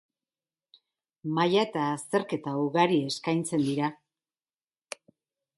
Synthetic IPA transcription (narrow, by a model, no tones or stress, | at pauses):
majaet̪aːst̪e̞ɾke̞t̪auɣaɾie̞skajnt͡se̞nd̪iɾa